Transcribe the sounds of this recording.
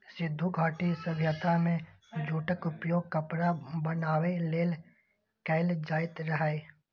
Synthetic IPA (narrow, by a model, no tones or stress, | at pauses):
sɪd̪ʱːuɡʱaːʈisəbʱjət̪amẽ | d͡ʒʱuːʈəkʊpjoːɡ̚kəpɾabənaːweleːl | kɛɪld͡ʒaːɪt̪ɾəɦae